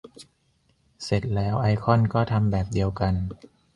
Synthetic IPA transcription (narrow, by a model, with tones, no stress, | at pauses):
se˨˩t̪̚lɛː˦˥wʔa˧jkʰɔ˥˩nkɔː˥˩t̪ʰa˧mbɛː˨˩p̚di˧əwka˧n